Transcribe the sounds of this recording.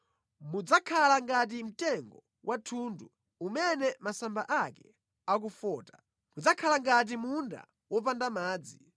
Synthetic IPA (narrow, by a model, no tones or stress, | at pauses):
mud͡zakʰalaŋɡat̬im̩tɛŋɡɔ | wʔatʰundu | umɛnɛmasambaʔakɛ | ak̬ufɔːtḁ | mud͡zakʰalaŋɡat̬imunda̰ | wɔpandamaːd͡zi